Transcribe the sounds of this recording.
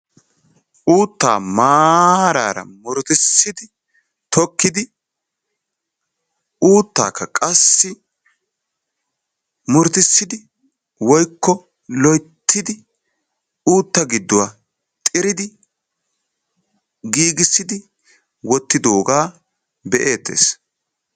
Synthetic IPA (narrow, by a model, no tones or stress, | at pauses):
ʔuːt̪ːa̰ːmaːhɾa̰ːɾɐ̰mʊɾt̪ɪsːɪd̪ɪ | t̪ʰɔkːɪd̪ɪ | ʔuːt̪ːa̰ːkːɐkʼɐsːɪ | mʊɾt̪ɪsːɪd̪ɪ | wɔjkːɔ | lɔjt̪ʰːɪd̪ɪ | uːt̪ːɐɡɪd̪ːʊwaː | t̪ʼɪɾɪd̪ɪ | ɡiːɡɪsːɪd̪ɪ | wɔt̪ːɪd̪o̞ːɡaː | bɛʔe̞ːt̪ːḛːs